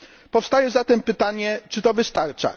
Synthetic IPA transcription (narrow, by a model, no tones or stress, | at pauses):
pɔfst̪ajɛzat̪ɛmpɘt̪aɲɛt͡ʂɘt̪ɔvɘst̪aɾt͡ʂa̰